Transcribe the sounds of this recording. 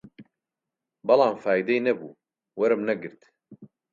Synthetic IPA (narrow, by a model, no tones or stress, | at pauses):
bɐlˠɑːmfaːjid̪ɛjnɐbṵː | wɐɾɨmnɐɡɨɾt̪